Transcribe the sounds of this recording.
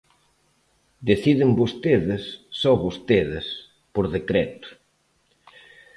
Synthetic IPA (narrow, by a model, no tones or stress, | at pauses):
d̪eθiðɪmbost̪eðɪsːɔβost̪eðɪs | poɾðekɾɛt̪ʊ̥